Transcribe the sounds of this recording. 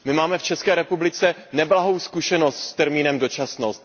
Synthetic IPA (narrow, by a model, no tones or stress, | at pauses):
mɪmaːmɛft͡ʃɛskɛːɾɛpublɪt͡sɛnɛblaɦo̞wskuʃɛno̞st̪st̪ɛɾmiːnɛmdo̞t͡ʃasnost̪